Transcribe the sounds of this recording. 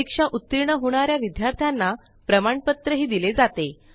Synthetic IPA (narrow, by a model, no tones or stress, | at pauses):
ikʂaʔut̪ːiɾɳəɦoɽ̃aɾjaʋid̪ʱjaɾt̪ʰjanːa | pɾəmaɳpət̪ɾəɦiːd̪iled͡zat̪e